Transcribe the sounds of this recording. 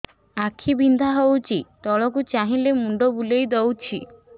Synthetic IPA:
akʰibind̪ʱaɦowt͡ʃʰit̪ɔɭɔk̬ut͡ʃaɦĩlemuɳɖɔbulejd̪ɔwt͡ʃʰi

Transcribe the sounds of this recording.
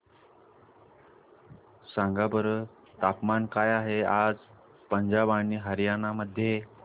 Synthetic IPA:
saŋɡabəɾə | t̪apmankajaɦead͡z | pəɲd͡ʑabaɳiːɦəɾjanaməd̪ʱːje

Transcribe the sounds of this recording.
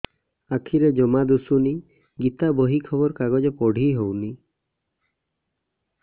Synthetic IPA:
akʰiɾed͡ʒɔmad̪usuni | ɡit̪abɔɦikʰɔbɔɾkaɡɔd͡ʒepɔɽ̤ʱiɦowni

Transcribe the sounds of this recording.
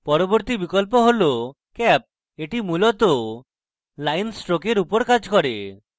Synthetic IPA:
pɔɾɔboɾt̪ibikɔlp̬ɔɦolo | kɛp̚ | eʈimulɔt̪ɔ | lajnsʈɾokeɾupɔɾkad͡ʒkɔɾḛ

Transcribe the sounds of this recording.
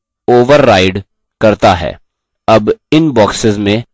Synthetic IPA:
oːʋəɾːaːɪɖ | kɐɾt̪aɦɛ̰ː | ɐbɪnbɔːksɪzmẽ

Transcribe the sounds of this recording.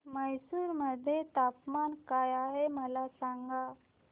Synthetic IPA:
məjsuːɾməd̪ʱjet̪apmankajaɦeməlasaŋɡa

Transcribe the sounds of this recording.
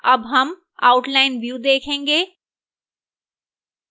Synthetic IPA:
ɐbɦɐm | a̰ːʊʈlaːɪnʋjuːd̪eːkʰẽːŋɡeː

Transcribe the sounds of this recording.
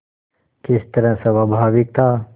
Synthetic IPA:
kɪst̪əɾə̃sɐʋabʱaːʋɪk̚t̪aː

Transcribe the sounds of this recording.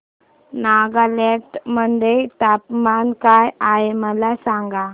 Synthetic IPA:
naɡaleʈmənd̪et̪apmankajaeməlasãŋɡa

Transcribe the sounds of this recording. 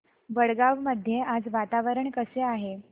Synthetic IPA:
ʋəɽɡaʋməd̪ʱːjeʔad͡zʋat̪aʋəɾəɳkəseaɦe

